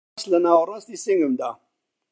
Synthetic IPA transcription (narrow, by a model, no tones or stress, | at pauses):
slənaːwəɾˤast̪isiŋɡəmd̪a